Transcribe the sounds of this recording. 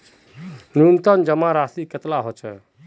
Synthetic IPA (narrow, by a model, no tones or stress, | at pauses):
nunt̪ənd͡ʒəmaɾasiket̪laɦot͡ʃʰɛ